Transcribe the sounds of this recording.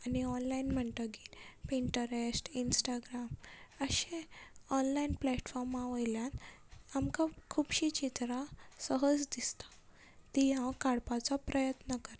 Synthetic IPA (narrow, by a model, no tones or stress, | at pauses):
aniɔnlainm̤əɳʈ̪əɡilpiɳʈəɾesʈinsʈaɡɾaməɕẽɔnlainplɛʈfɔɾmaʋəjljãnamkakʰuːbɕit͡ɕit̪ɾasəɦəd͡zd̪ist̪ḁ | t̪ijãkaɽpat͡sapɾəjət̪nəkəɾ